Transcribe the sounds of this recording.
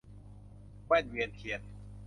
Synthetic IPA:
ma˥˩nwi˧ənkʰi˧˩ən

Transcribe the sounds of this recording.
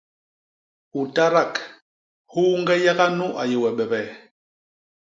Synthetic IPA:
u˨ta˦ɾa˦˨k | hu˦ŋɡɛ˦ja˦ɣa˦nu˦ʔa˨je˨wɛ˨ɓɛ˨bɛ˨

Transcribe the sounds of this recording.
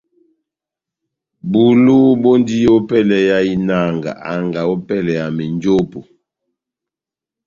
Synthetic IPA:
bu˨lu˦bo˦ndi˦o˦pɛ˦lɛ˨ja˦i˦na˦˨ŋɡa̰˨ʔa˨ŋɡa˨o˦pɛ˦lɛ˨a˨mi˨nd͡ʒo˦po˨

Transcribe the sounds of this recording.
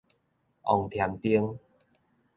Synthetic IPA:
ʔɔ̰˨˩ŋt̪ʰja˨˦mt̪i˦əŋ

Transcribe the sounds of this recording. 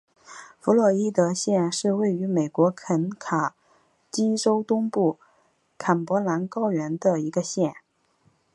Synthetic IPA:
fu˧˥lwɔ˥˩i˥t̪ə˧ɕjɛ˥˧nʂɻ̩˥˧we˥˩ɪy˧˥me˨˩ɪkwɔ˧˥kʰə˧˥nkʰa˨˩˦ | t͡ɕi˥ʈ͡ʂo˥ʊt̪ʊ˥ŋpu˥˩ | kʰa˨˩npwɔ˧˥la˧˥nkɑ˥ʊɥɛ˧˥nd̪ə˧i˧˥ɡə˧ɕjɛ˥˩n

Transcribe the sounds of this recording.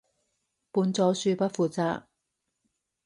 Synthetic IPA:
puː˨˧nt͡sɔː˨˧syː˧pɐ˥t̚fuː˨˧t͡saː˧k̚

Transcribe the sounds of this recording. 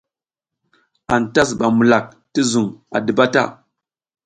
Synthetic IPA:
a˨nta˦s̬ɓa˨mu˨la˨k̚ | ti˦zu˨ŋa̰˨də˨ba˦ta̰˦˨

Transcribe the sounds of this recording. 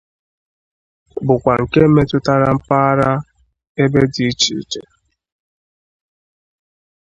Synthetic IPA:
bʊ˨kʷa˨ŋ̩˨ke˦me˦tʊ˦ta˦ɾa˦m̩˦pa˦a˦ɾa˦ | e˦be˦di˨˦t͡ʃḭ˨t͡ʃḛ˨

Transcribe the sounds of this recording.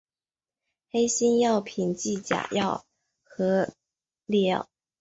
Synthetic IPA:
xe˥ɪɕi˥njɑ˥˩ʊpʰi˨˩nt͡ɕi˥˩t͡ɕja̰˨˩jɑ˥˩ʊ | xɤ˧˥ | lɛ˥˩

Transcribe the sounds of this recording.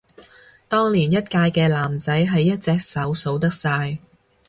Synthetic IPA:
t̪ɔː˥ŋliː˨˩njɐ˥t̚kaː˧jkɛː˧laː˨˩mt͡sɐ˨˥jɦɐ˨jːɐ˥t̚t͡sɛː˧k̚sɐ˨˥wso˨˥wt̪ɐ˥k̚saː˧j

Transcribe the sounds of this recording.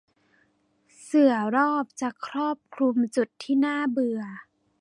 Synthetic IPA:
sɯ˨˩ɐɾɔː˥˩p̚t͡ɕa˨˩kʰɾɔː˥˩p̚kʰlu˧mt͡ɕu˨˩t̪ʰːiː˥˩naː˥˩bɯ˧ɐ

